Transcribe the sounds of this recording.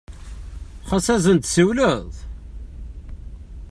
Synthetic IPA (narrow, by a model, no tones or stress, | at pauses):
χɑsæzənt̪səwləðˤ